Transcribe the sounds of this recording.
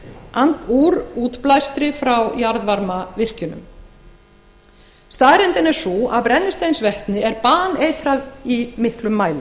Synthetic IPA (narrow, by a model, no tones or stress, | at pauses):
ant̪uːɾuːt̪plajst̪ɾɪfɾawjaɾðvaɾmavɪr̥cʏnʏ̰m | st̪aːðɾɛnt̪ɪnɛɾsuapɾɛnːɪst̪ejnsvɛht̪nɪɛɾpaːneːjt̪ɾaðimɪhklʏmːaːjlʏ